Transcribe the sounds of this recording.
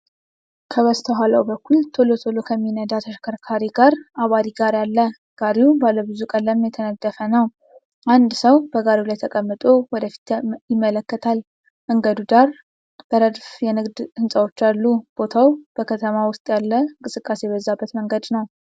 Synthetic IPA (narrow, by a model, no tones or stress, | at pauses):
kʰəβəst̪ʰəɦalawbəkʰːult̪ʰolot̪ʰolokʰəmːinəd̪at̪ʰəʃkʰəɾkʰaɾiɡaɾʔaβad̪iɡaɾjalːə | ɡ̥aɾiwubaləbɨzukʼəlːəmjɛt̪ʰənəɡːəfənəw | ʔand̪səwbəɡaɾiulajt̪ʰəkʼəmːɨt̪ʼowɔd̪əfi̥t̪jɪmːələkːət̪ʰal | məŋɡəd̪ud̪aɾ | b̥əɾəd̪fjɛnɨɡd̪hɨnsʼəwot͡ʃːalːub̥o̞t̪ʰawb̥əkʰət̪ʰəmawʊst̪ʼjalːəɨŋkʼɨsɨkʼːasebəzːabːət̪məŋɡəd̪nəw